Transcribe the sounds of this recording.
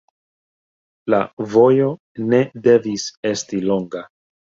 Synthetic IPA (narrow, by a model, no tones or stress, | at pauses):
lavo̞jo̞ | ne̞de̞vise̞stilo̞ŋɡa